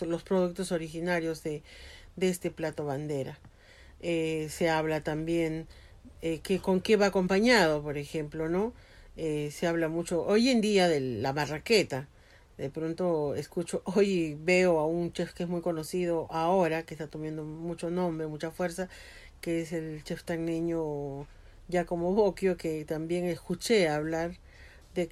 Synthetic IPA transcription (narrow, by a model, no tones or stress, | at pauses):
lospɾoð̞uk̚t̪oso̞ɾixinaɾjozðed̪eest̪e̞plat̪o̞βand̪e̞ɾa | eseaβlat̪ambje̞n | ekeko̞ŋkeβaːko̞mpaɲað̞opoɾexe̞mplono | eseaβ̞lamut͡ʃo̞ʔoje̞nd̪iaðeamaraket̪a | ðe̞pɾo̞nt̪o̞eskut͡ʃoʔojβe̞oaunt͡ʃefkeesmujko̞no̞sið̞o̞ʔaoɾakest̪at̪o̞mjend̪omut͡ʃo̞nõ̞mbɾemut͡ʃafwe̞ɾsa | keese̞lt͡ʃe̞ft̪aŋniɲo | ʝako̞mo̞βokjoket̪ambje̞ŋe̞skut͡ʃeaβlaɾ | d̪e